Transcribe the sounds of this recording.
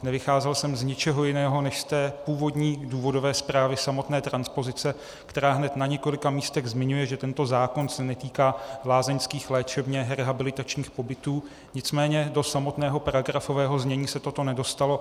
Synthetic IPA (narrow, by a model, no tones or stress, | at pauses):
nɛvɪxaːzɛlsɛmzɲɪt͡ʃɛɦo̞jɪnɛːɦo̞nɛʃst̪ɛːpuːvo̞dɲiːduːvo̞do̞vɛːspɾaːvɪsamo̞t̪nɛːt̪ɾanspo̞zɪt͡sɛ | kt̪ɛɾaːɦnɛt̪naɲɛko̞lɪkamiːst̪ɛɣzmɪɲujɛʒɛt̪ɛnt̪o̞zaːko̞nsɛnɛt̪iːkaːlaːzɛɲskiːxlɛːt͡ʃɛbɲɛɦɾɛɦabɪlɪt̪at͡ʃɲiːxpo̞bɪt̪uː | ɲɪt͡smɛːɲɛdo̞samo̞t̪nɛːɦo̞paɾaɡɾafo̞vɛːɦo̞zɲɛɲiːsɛt̪ot̪o̞nɛdo̞st̪alo̞